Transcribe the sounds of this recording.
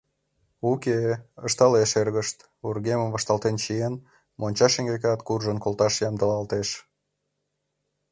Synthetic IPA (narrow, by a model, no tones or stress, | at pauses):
ukeəʃt̪ɑleʃerɣəʃt̪ | urɣeməmvɑʃt̪ɑlt̪ent͡ɕien | monʲt͡ɕɑʃeŋɡekɑt̪kurʒənkolt̪ɑʃjɑmd̪əlɑlt̪eʃ